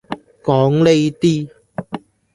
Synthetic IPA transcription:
kɔː˨˧˥ŋle˥jt̪iː˥

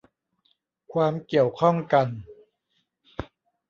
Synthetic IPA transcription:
kʰwaː˧mki˨˩əwkʰɔ˥˩ŋka˧n

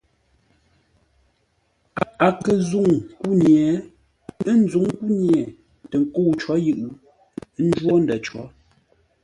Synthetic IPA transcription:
a˨a˨kə˨zu˦˨ŋku˦njɛ˨˦ | ə˦n̩˦zu˨˦ŋ˦ku˦njɛ˨ | tə˨ŋ˦ko˦˨wt͡ʃɔ˨˦jɨ˦ʔɯ˨˦ | n̩˦d͡ʒwɔ˦n˨dɛ˨t͡ʃɔ̰˨˦

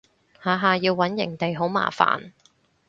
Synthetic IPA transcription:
haː˨˧ɦaː˨jiː˧wːɐ˨˥njɪ̰˨˩ŋt̪e˨jɦo˨˥wma̰ː˨˩fa̰ː˨n

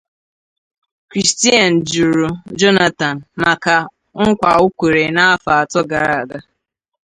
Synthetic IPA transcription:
kɾi˨sti˦a˨n̩˨d͡ʒu˨ɾu˨d͡ʒɔ˦na˦ta˨n̩˨ma˨ka˨ | ŋ̩˦kʷa˨ʊ˦kʷe˨ɾe˨na˦fa˨a˨tɔ˦ɡa˨ɾa˨a˨ɡa˦

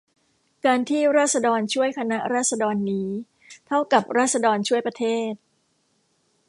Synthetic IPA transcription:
kaː˧nt̪ʰiː˥˩ɾaː˥˩t̪̚sa˧dɔː˧nt͡ɕʰu˥˩əjkʰa˧na˦˥ʔɾaː˥˩t̪̚sa˧dɔː˧nːiː˦˥ | t̪ʰa˥˩wka˨˩p̚ɾaː˥˩t̪̚sa˧dɔː˧nt͡ɕʰu˥˩əjpɾa˧t̪ʰeː˥˩t̪̚

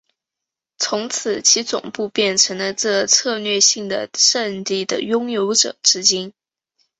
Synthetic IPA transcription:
t͡sʰʊ˧˥ŋt͡sʰɹ̩˨˩t͡ɕʰi˧˥t͡sʊ̰˨˩ŋpu˥˧pjɛ˥˩nʈ͡ʂʰɤ˧˥ŋlə˧ʈ͡ʂɤ˥˧t͡sʰɤ˥˧lɥɛ˥˧ɕi˥˩ŋd̪ə̰˩ʂə˥˧nli˥˩d̪ə̰˩jʊ˥ŋjo˧˥ʊʈ͡ʂɤ̰˨˩˦ʈ͡ʂɻ̩˥t͡ɕi˥n

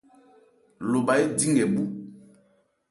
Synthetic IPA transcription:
lo˨ba˨i˦di˦ŋɛ˨ɓu˨

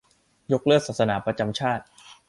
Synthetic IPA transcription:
jo˦˥k̚lɯ˥˩ək̚saː˨˩t̪sa˧naː˩˦pɾa˧t͡ɕa˧mt͡ɕʰaː˥˩t̪̚

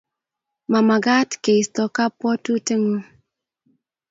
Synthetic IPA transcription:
ma˨ma˨ɡa˦tke˨i˨stɔ˨ka˦pɔ˦tu˦te˦ŋo˦

